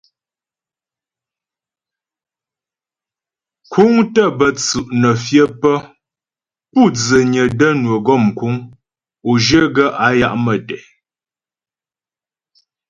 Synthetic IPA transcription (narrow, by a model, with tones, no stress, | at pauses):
kʰu˦ŋtə˦˨bə˨t͡sʉ˨ʔnə˨fjə˦pə˦ | pu˦˨d͡zə˨ɲə˨də˦nwə˨ɡɔ˦˨m˨ku˦ŋ | o˨ʒə˦ɡə˦ʔa˨˦ja˦ʔmə˨dɛ˨